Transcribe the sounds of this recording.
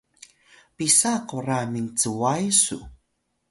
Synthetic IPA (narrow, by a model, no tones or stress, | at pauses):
pisaqoramiŋt͡səwajsṵ